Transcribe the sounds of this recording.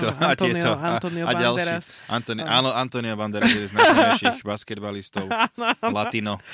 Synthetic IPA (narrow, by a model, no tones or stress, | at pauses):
ɔat̪ɪɛt̪ɔanaɟalʃɾiʔant̪ɔniʔaːnɔant̪ɔniɔʋand̪ɛɾaɛd̪ɛnznsʃixbaskɛd̪balist̪ɔʊlat̪inɔ